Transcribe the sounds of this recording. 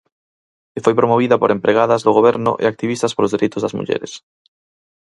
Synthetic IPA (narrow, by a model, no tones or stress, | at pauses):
ɪfojpɾomoβ̞iðɐpo̰ɾempɾeɣaðɐzðʊɣoβɛɾnʊ̰ʔḛak̚t̪iβist̪ɐspolozðeɾejt̪ʊzðɐzmṵʎɛ̰ɾḛs